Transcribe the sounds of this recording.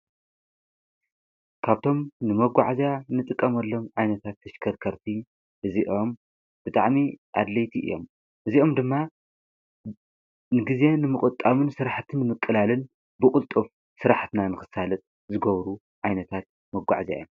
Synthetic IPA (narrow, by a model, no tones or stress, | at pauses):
kʰaβt̪ʰo̞mnɨmɐɡʷa̰ʕzanɨt̪ʼɨkʼːɐmɐlːomʕajnɐt̪ʰat̪ʰːɐʃkʰɐɾkʰɐɾt̪ʰi | ʔɨziʔo̞m | b̥ɨt̪ʼaʕmiʔa̰d̪lɐjt̪ʰiʔɨ̰jːo̞̰m | ʔɨziʔo̞md̪ɨmːa | nɨɡize̞nɨmɨkʼɨt̪ʼːamɨnsɨɾaħt̪ʰɨnːɨmɨkʼːɨlalɨn | bɨkʼʊlt̪ʼof | sɨɾaħt̪ɨnanɨxɨsalɐt̪ʼ | zɨɡɐβɾu | ʕajnɐt̪ʰat̪̚ | mɐɡʷa̰ʕza̰jom